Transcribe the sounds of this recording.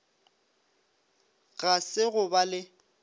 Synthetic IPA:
ɣasɪɣʊbalɪ

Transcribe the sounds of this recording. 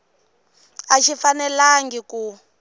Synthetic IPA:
aʃʰifanɛlaŋɡiku

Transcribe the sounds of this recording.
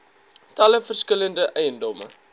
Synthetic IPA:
tɐləfərskələndəʔɛjəndɔmə̰

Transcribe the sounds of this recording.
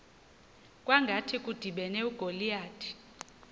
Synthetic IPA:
kʼwaŋɡʱatʰikʼud̥ʱiɓɛnɛuɡ̥ʱolijaːd̥ʰʱʼi̥

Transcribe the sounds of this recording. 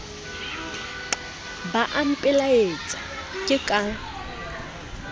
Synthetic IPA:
baʔam̩pʼɪlaet͡sʼakʼɪkʼa

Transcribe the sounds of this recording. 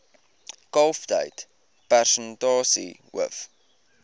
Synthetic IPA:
ɡ̥ɔlˠfd̥a̰jtʰ | b̥ɛrʃəndɔːsḭwə̰f

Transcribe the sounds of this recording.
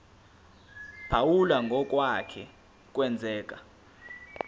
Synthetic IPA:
b̥ʰʱawulaŋɡʱɔk̬ʼwakʰɛ | k̬ʼwɛnd͡zʱɛːkʼa

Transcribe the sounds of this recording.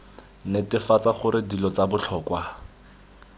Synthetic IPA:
netɪfat͡saχʊɾɪdilɔt͡sabʊt͡ɬʰɔːkwa

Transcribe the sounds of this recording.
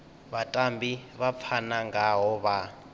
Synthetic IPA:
βatʼambiβap̪fʰanaŋɡaɦɔβa

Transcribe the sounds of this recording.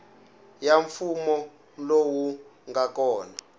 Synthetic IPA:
jaɱfumɔ | lowuŋakɔːna

